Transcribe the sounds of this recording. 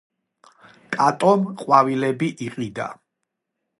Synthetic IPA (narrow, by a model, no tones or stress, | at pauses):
t̪ʼat̪ʼɔmqʼwavilɛbiʔiqʼid̪a̰